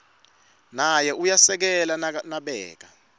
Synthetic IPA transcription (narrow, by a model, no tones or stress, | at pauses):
najɛujasɛk̬ɛlanaɓɛ̰ːk̬a